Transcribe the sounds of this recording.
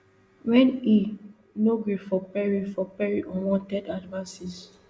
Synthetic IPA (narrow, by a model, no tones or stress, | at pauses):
wɛ̃ni | noɡɹifɔpɛɹifɔpɛɹiʔɔ̃wɔ̃ntɛdadvasis